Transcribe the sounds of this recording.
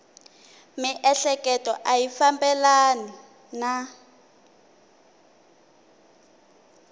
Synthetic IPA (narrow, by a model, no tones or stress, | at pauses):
miʔɛɬɛkɛtɔʔajifambɛlana | na